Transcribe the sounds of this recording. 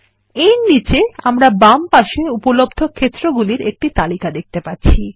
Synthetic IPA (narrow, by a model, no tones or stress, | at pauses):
ejnit͡ɕeamɾabampaʃeupolob̚d̪ʱokʰːet̪ːɾoɡuliɾek̚ʈit̪alikad̪ek̚ʰt̪epaɾɕʰi